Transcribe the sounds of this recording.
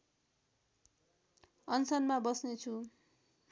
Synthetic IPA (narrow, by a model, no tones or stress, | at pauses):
ʌnsʌnmabʌsnet͡sʰu